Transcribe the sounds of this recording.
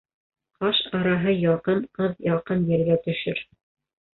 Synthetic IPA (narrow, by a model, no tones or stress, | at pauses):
qɑʃɑɾɑɦɤjɑqɤnqɤðjɑqɤnjɘ̆ɾɡæt̪ɵ̆ʃɵɾ